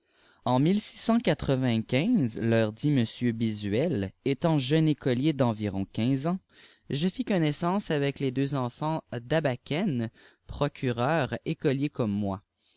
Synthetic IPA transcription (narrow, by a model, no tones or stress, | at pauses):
ɑ̃milsi̥sɑ̃kat̪χəvɛ̃kʲɛ̃zlœːʁd̪iməsjøbizɥɛlet̪ɑ̃ʒœnekɔljed̪ɑ̃viʁɔ̃kʲɛ̃zɑ̃ | ʒəfikɔnɛsɑ̃savɛkled̪øzɑ̃fɑ̃d̪abakʲɛn | pχɔkʲʰyʁœːʁekɔljekɔmːwa